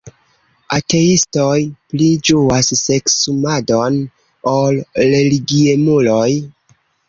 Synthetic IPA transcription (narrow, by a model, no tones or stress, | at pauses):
ate̞istojplid͡ʒuasːe̞ksumado̞n | olɾe̞liɡiemuloj